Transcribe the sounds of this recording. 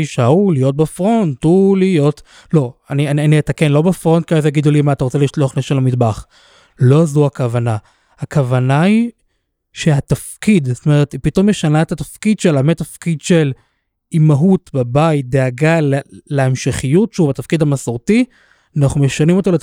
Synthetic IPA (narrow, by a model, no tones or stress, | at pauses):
iʃaulijo̞t̚bafʁo̞ntulijo̞t | lo̞aniananiet̪akenlo̞bafʁo̞nt̚kiazejaɡid̪ulimaataʁot͡seliʃloaχneʃelamidbaχ | lo̞azuakavana | hakavanai | ʃehatafkidso̥t̪ome̞ʁet̪ipito̞mjeʃanaetatafkid̪ʃelametafkid̪ʃel | imaɦutbabait̚d̪eaɡaleːeemʃeχijutʃeubat̪afkid̪amasoʁti | anaχnumeʃanimo̞to̞let